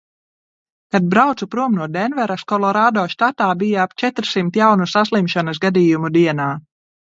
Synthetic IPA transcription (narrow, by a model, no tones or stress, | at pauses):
kad̪̚bɾawt̪supɾuɔmnuɔd̪ɛnvɛɾaskɔlˠɔɾaːd̪ɔːʃt̪at̪aːbijaapt͡ʃɛt̪ɾsimt̪jawnusaslˠimʃanɐs̬ɡad̪iːjumud̪iɛnaː